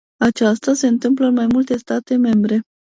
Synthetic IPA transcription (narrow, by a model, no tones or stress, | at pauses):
at͡ʃast̪ase̞ɨnt̪ɨmp̬ləɨnmajmult̪e̞st̪at̪e̞me̞mbɾe̞